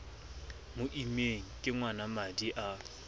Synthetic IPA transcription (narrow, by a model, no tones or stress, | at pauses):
mʊʔimeŋ̩kʼɪŋwanamadiʔa